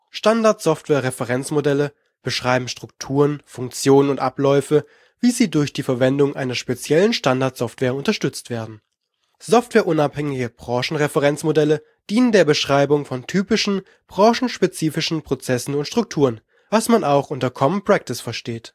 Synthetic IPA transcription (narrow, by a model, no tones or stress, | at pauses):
ʃtandaɐtz̥ɔftv̥ɛːɐʁɛfəʁɛnt͡smodɛlə | b̥əʃʁ̥aɪbm̩ʃtʁ̥ʊktʰuːʁənfʊŋk̚t͡sjoːnənʊntʔa̰plɔʏfə | viːziːdʊɐçd̥iːfɛɐvɛndʊŋʔa̰ɪnɐʃpet͡sjɛlənʃtandaɐtz̥ɔftv̥eːɐʊntɐʃtʏt͡stv̥eːɐdn̩ | z̥ɔftv̥ɛːɐʔʊnaphɛŋɪɡəb̥ʁɑːʃn̩ʁɛfəʁɛnt͡smodɛlə | d̥iːnəndeːɐbəʃʁ̥aɪbʊŋfɔntʰyːpɪʃn̩ | b̥ʁɑ̃ːʃn̩ʃpet͡siːfɪʃn̩pʁ̥ot͡sɛsn̩ʊntʃtʁ̥ʊk̚tʰuːʁən | v̥asmanaʊxʔʊntɐkʰɔmnpʁ̥ɛk̚tɪsfɛɐʃteːt